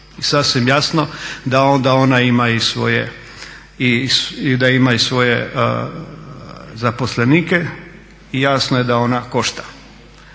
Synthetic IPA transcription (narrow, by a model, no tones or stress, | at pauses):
isasʋimjasnod̪ao̞nd̪aonaimaisʋo̞̰jḛ | isid̪aimaisʋo̞jḛ | zapo̞sleniːke | ijaːsnoje̞d̪ao̞nako̞ʃt̪ḁ